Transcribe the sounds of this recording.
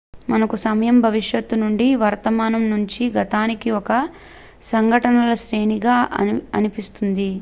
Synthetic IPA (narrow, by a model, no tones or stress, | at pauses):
mɐnɐkusɐmɐjɐmbʱɐʋiʂjɐt̪ːunuɳɖiʋɐɾt̪ɐmaːnɐmnuɲt͡ʃiɡɐt̪aːnikiɔkɐ | sɐŋɡʱɐʈɐnɐlɐʃɾeːniɡaːʔɐ̰ɐnipist̪und̪i